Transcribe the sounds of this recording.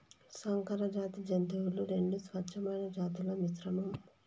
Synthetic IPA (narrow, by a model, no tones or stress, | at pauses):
sɐŋkɐɾɐd͡ʒaːt̪id͡ʒɐnt̪uwuluɾe̞ɳɖusʋɐtːʃʰɐmɐjnɐd͡ʒaːt̪ilɐmisɾɐmɐm